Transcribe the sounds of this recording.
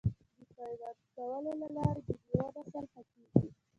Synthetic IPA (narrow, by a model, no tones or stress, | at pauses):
d̪əpajd̪ɑd̪kawəlolalɑɾed̪əd̪waɾasalhakeɡi